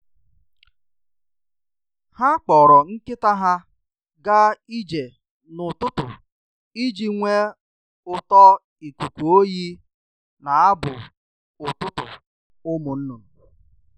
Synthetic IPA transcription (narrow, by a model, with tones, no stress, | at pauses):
ha˦k͡pɔ˨ɾɔ˨ŋ̩˦kɪ˦ta˦ɦa˦ | ɡa˦i˦d͡ʒe˨ | nʊ˨tʊ˦tʊ̰˨ | i˦d͡ʒi˨ŋʷe˦ | ʊ˨tɔ˦ | i˨kʷu˨kʷu˨o˦ji˦ | na˨a˦bʊ̰˨ | ʊ˨tʊ˦tʊ̰˨ | ʊ˦mʊ˨n̩˦nʊ˨